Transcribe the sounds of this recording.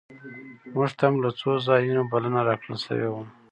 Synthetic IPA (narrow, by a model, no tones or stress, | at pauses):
muʐt̪ʰamlat͡sozɑjunobalənaɾɑkɽə̰lsə̰wḛwum